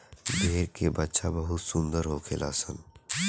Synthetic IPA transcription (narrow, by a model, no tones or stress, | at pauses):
d̪ʱeːɾkebɐtːʃʰabɐɦʊt̪sʊ̃nd̪əɾɦokʰelʔa̰ːsən